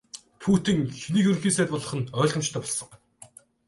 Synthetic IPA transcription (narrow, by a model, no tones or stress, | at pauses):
t̪ʰuːt̪ĭŋxiniːxɵɾɵ̆ŋxiːnsæːt̪pɔɮɞ̆χə̆nœːɮʁə̆mt͡ɕt̪ʰœːpɔɮsɞ̆ŋ